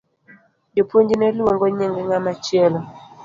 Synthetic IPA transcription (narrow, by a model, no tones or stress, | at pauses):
jopoɲd͡ʒinɛloŋɡɔɲeŋɡɛŋamat͡ʃjɛlɔ